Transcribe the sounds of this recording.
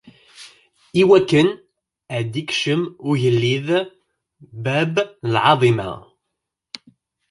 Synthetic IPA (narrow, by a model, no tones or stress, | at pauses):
iwækːən | əʕd̪ikʃəmʊʝəlːið | bæbəlʕɑ̰ðˤimɑ̰